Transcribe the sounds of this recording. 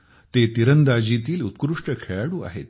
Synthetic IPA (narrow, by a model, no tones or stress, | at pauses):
t̪et̪iɾənd̪ad͡ʑit̪iːlut̪kɾuʂʈəkʰeɭaɽuːa̰ɦḛt̪